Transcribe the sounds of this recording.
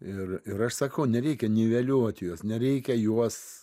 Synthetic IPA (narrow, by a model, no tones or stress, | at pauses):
ɪrɪɾɐʃsɐkɐʊnʲɛɾʲɛɪkʲɛnʲiʋʲɛlʲuɔt̪ʲjuɔsnʲɛɾʲɛɪkʲɛjuɔs